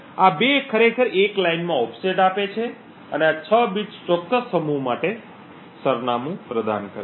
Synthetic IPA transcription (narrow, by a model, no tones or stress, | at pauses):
abekʰəɾekʰəɾeklainmãɔpʰseʈapet͡ʃʰe | əneat͡ʃʰəbit͡ʃt͡ʃɔkːəsːəmumaʈe | səɾnamũpɾəd̪ʱa̰nkəɾ